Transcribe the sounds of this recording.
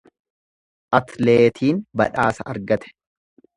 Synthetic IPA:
ʔɐt̪leːt̪ʰiːnbɐ̰ᶑaːsɐʔɐɾɡɐt̪ɛ̥

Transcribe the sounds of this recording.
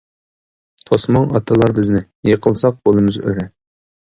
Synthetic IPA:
t̪ʰosmɑŋɑt̪ʰɨlˠɑɾbɪznɪ | jəqʰəlˠsɑq̚b̥olˠɨmɨzø̰ɾɛ

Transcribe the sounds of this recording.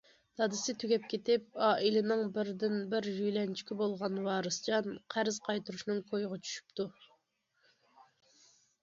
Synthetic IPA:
d̪̥ɑd̪ɨsɪt̪ʰyɡʲɛp̚kʲet̪ɪp̚ɑːʔilɪnɪŋbɪɾd̪ɪnbɪɾjyjlɛnt͡ʃʰi̥kʲibolˠʁɑnwɑːɾɨst͡ʃɑnqʰæɾz̥qʰɑjt̪uɾuʃnɨŋkʰojʁɑt͡ʃʰy̥ʃy̥p̚t̪ʰu

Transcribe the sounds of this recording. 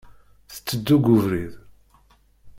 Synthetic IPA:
θə̥t͡sːəd̪ːuɡʊvɾið

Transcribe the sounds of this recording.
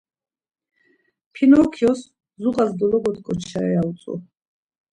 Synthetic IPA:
pʰinɔɾkʰiɔs | zuqʼazd̪ɔlɔɡɔt̪ʰkʼɔt͡ʃʰaɾɛaut̪sʼṵ

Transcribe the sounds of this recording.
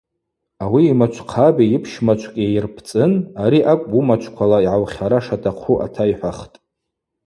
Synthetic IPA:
awiːmat͡ʃʷʰqʰabajipʰʃmat͡ʃʷʰkʲʼiejrpʰt͡sʼɨnaɾiʔakʷʼbumat͡ʃʷʰkʷʰalaiʕawχʲaɾaʂatʰʼaqʷʰuʔa̰tʰaiħʷaχtʼ

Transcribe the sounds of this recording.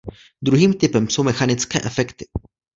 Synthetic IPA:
d̪ɾuɦiːmt̪ɪpɛmso̞wmɛxanɪt͡skɛ̰ːʔɛfɛkt̪ɪ̥

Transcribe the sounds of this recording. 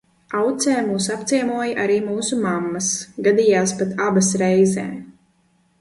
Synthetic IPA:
awt̪sɛːmuːsap̚t̪sʲiɛmuɔjʔaɾiːmuːsumamːɐsɡad̪iːjaːspat̪ʰabasɾɛjzɛ̰ː

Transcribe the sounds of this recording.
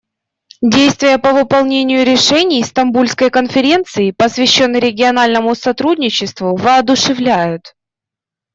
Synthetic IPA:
dʲejst̪vʲɪjəpəvɨpɐlˠnʲenʲɪjʊɾʲɪʂɛnʲɪjst̪ɐmbulʲskəjkənfʲɪɾʲe̞nt̪sɨɪpəsvʲɪɕːo̞nːɾʲɪɡʲɪɐnalʲnəmʊsɐt̪ɾudʲnʲɪt͡ɕːɪst̪vʊvɨɐd̪ʊʂɨvlʲæjʊt̪

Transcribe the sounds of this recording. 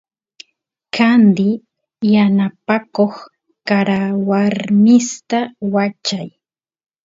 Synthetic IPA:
kand̪ɪ | janapakoχ | kaɾawaɾmɪst̪awat͡ʃaj

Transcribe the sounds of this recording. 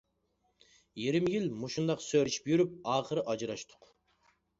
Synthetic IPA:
jiɾɪmjilmuʃund̪ɑqsøɾɪʃi̥pjyɾyp̚ɑːχəɾɨʔɑd͡ʒɾɑʃt̪ʰʊ̥q

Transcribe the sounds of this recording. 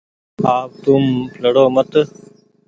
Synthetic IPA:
aːw̚t̪umplɐɽoːmɐt̪

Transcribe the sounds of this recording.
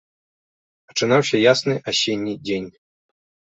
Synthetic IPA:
ɐt͡ʂɨnawɕʲɐjasnɨʔaɕʲenʲːidʲenʲ

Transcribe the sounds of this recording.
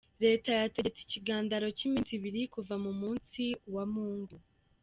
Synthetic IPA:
ɾe̞ːtajate̞et͡si̥ciɡaːndaɾo̞cimiːnsiβiɾikuvamumuːnsiwamuːŋɡu

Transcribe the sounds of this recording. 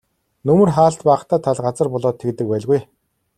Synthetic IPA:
nɵmɵ̆rχaːɬt̪pæːχt̪aːt̪ʰaɮɢat͡sə̆rpɔɮɔːt̪ʰːekt̪ɘ̆k̚pæːɮɣuj

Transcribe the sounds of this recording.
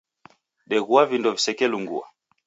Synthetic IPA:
ɗɛɣuavindɔvisɛkɛluŋɡṵa̰

